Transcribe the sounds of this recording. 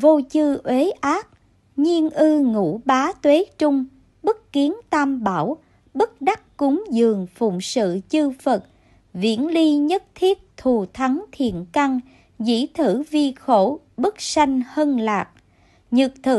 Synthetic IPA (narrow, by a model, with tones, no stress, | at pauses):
vo˧t͡ɕɨ˧ʔwe˨˦ʔaː˦˥k̚ | ɲi˧ənʔɨ˧ŋṵ˧˩ɓaː˨˦t̪we˨˦t͡ɕʊ˧ŋ͡m | ɓɨ˦˥k̚ki˨˦ənt̪aː˧mɓaː˧˩w | ɓɨ˦˥k̚ɗa˦˥k̚kʊ˨˦ŋ͡mzɨ˨˩əŋfʊ̰˧˨ŋ͡msɨ̰˧˨t͡ɕɨ˧fə˨˩t̚ | vḭ˧˥ənli˧ɲə˦˥t̚t̪ʰi˦˥ət̚t̪ʰu˨˩t̪ʰa˨˦ŋt̪ʰḭ˧˨ənka˧ŋ | zḭ˧˥t̪ʰɨ˧˩vi˧xo˧˩ | ɓɨ˦˥k̚sa˧jŋ̟hə˧nlaː˨˩k̚ | ɲɨ˨˩k̚t̪ʰɨ̰˧˩